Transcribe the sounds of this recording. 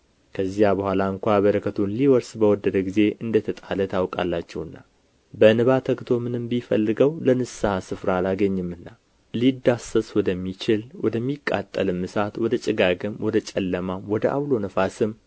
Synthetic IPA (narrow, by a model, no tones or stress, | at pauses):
kʰəzːijabəhʷalaɨŋkʷaβəɾəkʰət̪ʰunliwɔɾsbəwɔd̪ːəd̪əɡize̞ʔɨnd̪ət̪ʰət̪ʼalət̪ʰawkʼa̰lːat͡ʃːɛwɨnːa | bənɨβat̪ʰəkt̪ʰo̞mɨnɨmbifə̰lːɨɡəwlənɨsahasɨfɾalaɡəɲːɨmɨnːa | lid̪ːasəswɔd̪əmːit͡ʃɪlwɔd̪əmːikʼːa̰t̪ʼːəlɨmːɨsat̪wɔd̪ət͡ʃʼɪɡaɡɨmwɔd̪ət͡ʃʼɛlːəmamwɔd̪əʔa̰βlo̞nəfasɨm